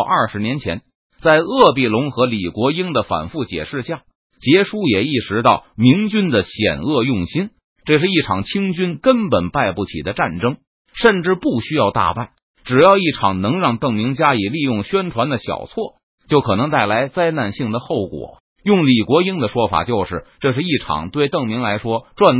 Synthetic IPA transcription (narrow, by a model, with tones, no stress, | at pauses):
ʔɐ˞˥˩ʂɻ̩˧˥njɛ˧˥nt͡ɕʰjɛ̰˧˥n | t͡sa˥˧ɪɤ˥˧pi˥˩lʊ˧˥ŋxɤ˧˥li˨˩kwɔ˧˥i˥ŋd̪ə˨fa̰˨˩nfu˥˩t͡ɕjɛ̰˨˩ʂɻ̩˥˧ɕja˥˩ | t͡ɕjɛ˧˥ʂu˥jɛ˨˩i˥˩ʂɻ̩˧˥t̪ɑ˥˩ʊmi˧˥ŋt͡ɕy˥nd̪ə˨ɕjɛ̰˨˩nɤ˥˧jʊ˥˩ŋɕi˥n | ʈ͡ʂɤ˥˧ʂ̬ɻ̩˥˧i˥˩ʈ͡ʂʰɑ˨˩ŋt͡ɕʰi˥ŋt͡ɕy˥nkə˥npə˨˩npa˥˧ɪpu˥˩t͡ɕʰḭ˨˩d̪ə˦ʈ͡ʂa˥˩nʈ͡ʂɤ˥ŋ | ʂə˥˧nʈ͡ʂɻ̩˥˧pu˥˩ɕy˥jɑ˥˧ʊt̪a̰˥˧pa˥˩ɪ | ʈ͡ʂɻ̩˨˩jɑ˥˧ʊi˥˩ʈ͡ʂʰɑ˨˩ŋnɤ˧˥ŋɻɑ˥˧ŋt̪ɤ˥˩ŋmi˧˥ŋt͡ɕja˥i˨˩li˥˧jʊ˥˩ŋɕɥɛ˥nʈ͡ʂʰwa˧˥nd̪ə˨ɕjɑ̰˨˩ʊt͡sʰwɔ˥˩ | t͡ɕjʊkʰɤ˨˩nɤ˧˥ŋt̪a˥˩ɪla˧˥ɪt͡sa˥ɪna˥˧nɕi˥˩ŋd̪ə˩xo˥˩ʊkwɔ̰˨˩˦ | jʊ˥˩ŋli˨˩kwɔ˧˥i˥ŋd̪ə˨ʂwɔ˥fa̰˨˩t͡ɕjo˥˧ʊʂɻ̩˥˧˩ʈ͡ʂɤ˥˧ʂ̬ɻ̩˥˧i˥˩ʈ͡ʂʰɑ̰˨˩ŋt̪we˥˧ɪt̪ɤ˥˩ŋmi˧˥ŋla˧˥ɪʂwɔ˥ʈ͡ʂwa˥˧n